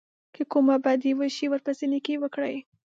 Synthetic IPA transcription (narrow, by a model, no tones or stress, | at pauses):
kəkumabad̪iwəʃiwəɾpəsinikewəkɽəj